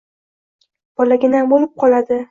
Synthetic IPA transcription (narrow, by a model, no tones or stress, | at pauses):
b̥ɒlaɡʲɪnabolɪp̚qʰɒlad̪ɪ